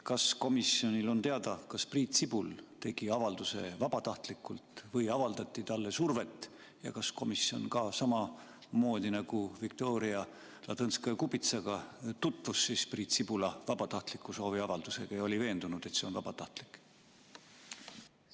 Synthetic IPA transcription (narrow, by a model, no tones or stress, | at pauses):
kɑsko̞misio̞nʲilo̞nt̪e̞ɑd̪̥ɑkɑspriːt̪sib̥ult̪e̞ɡ̥iɑvɑld̪̥use̞̰vɑb̥ɑt̪ɑht̪likːult̪vɤjɑvɑld̪ɑt̪ʲˑːit̪ɑlːe̞surve̞t̪ːˑ | jɑ̰kɑsko̞misio̞̰nkɑsɑmɑ | mo̞ːd̪̥ʲinɑɡ̥uvik̚t̪o̞ːɾiɑ | lɑd̪ɤnskɑkubit̪sɑɡ̥ɑt̪ut̪ˑvusːispriːt̪sib̥ulɑvɑb̥ɑt̪ɑht̪likːˑuso̞ːviɑvɑld̪use̞ɡ̥ɑjo̞lʲive̞ːnd̪̥unud̪̥e̞t̪se̞o̞nvɑb̥ɑt̪ɑht̪li̥kːˑ